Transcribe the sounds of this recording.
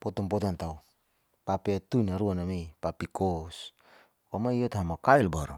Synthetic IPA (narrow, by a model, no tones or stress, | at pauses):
potompotantaw | papetunaɾuanamejpapikos | kamajjotɦamakajlbaɾo